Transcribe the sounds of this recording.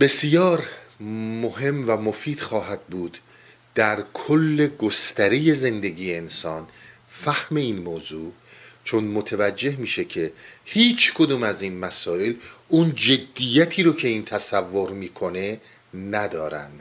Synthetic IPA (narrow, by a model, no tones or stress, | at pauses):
be̞sjɒːɾ | moɦe̞mvæmofiːd̪̥xɒːɦæd̪̥̚buːd̪̥ | d̪̥æɾkʰolːe̞ɡost̪æɾeje̞ze̞nd̪e̞ɡiːjeːnsɒːn | fæhme̞iːnmoːzuː | t͡ʃʰonmot̪ʰevæd͡ʒːe̞hmiːʃe̞cʰe̞hiːt͡ʃʰkʰod̪uːmæziːnmæsɒːe̞lund͡ʒe̞d̪ːijæt̪ʰiːɾocʰe̞iːnt̪ʰæsævːoɾmiːkʰo̞ne̞ | næd̪ɒːɾæ̰nd̪̥